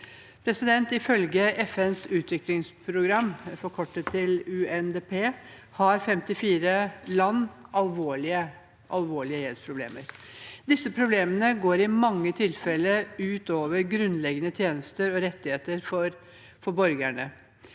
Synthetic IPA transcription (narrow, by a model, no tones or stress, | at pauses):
pʰɾɛsɪd̪ɛnt̪ɪfœlɡəʔɛfɛnsʉːt̪ʋɪklɪŋspʰɾʊɡɾɑmːfɔɾkʰɔʈːət̪ʰːɪlʉɛnd̪eːpʰeːhɑɾfɛmt̪ɪfiːɾəlɑnːʔɑlʋoːɭɪə | ʔɑlʋoːɭɪəjɛlspʰɾʊblḛːməɾd̪ɪsːəpʰɾʊbleːmənəɡoːɾɪmɑŋːət̪ʰɪlfɛlːəʉːt̪oːʋəɾɡɾʉnlɛɡənət̪ʰjeːnəst̪əɾɔɾɛt̪ːɪheːt̪əɾfɔɾ | fɔbɔɾɡæɳə